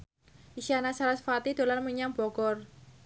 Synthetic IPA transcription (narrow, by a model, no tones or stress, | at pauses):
ʔiʃanasalasfat̪id̪̥o̤larməɲamb̥ɔɡ̥ɔr